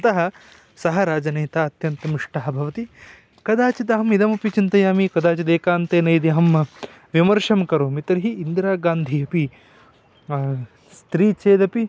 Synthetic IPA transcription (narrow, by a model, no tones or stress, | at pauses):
ɐt̪ɐɦɐ̆ | sɐɦɐɾaːd͡ʒɐnɐjt̪aːɐt̪jɐnt̪ɐmiʂʈɐɦɐ̆bʱɐʋɐt̪i | kɐd̪aːt͡ʃid̪ɐɦɐmid̪ɐmɐpit͡ʃint̪ɐjaːmikɐd̪aːt͡ʃid̪eːkaːnt̪eːnɐjd̪iɐɦɐm | ʋimɐɾʂɐmkɐɾoːmit̪ɐɾɦiːnd̪ɾaːɡaːnd̪ʱiɐpi | st̪ɾiːt͡ʃeːd̪ɐpi